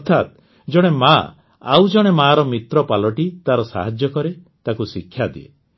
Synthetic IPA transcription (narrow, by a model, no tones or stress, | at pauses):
ɔt̪ʰat̪ | d͡ʒɔɽ̃ema | a̰wd͡ʒɔɽ̃emaɾɔmit̪ɾɔpalɔʈit̪aɾɔsa̰ɦad͡ʒjɔkɔɾe | t̪akusikʰːjad̪iḛ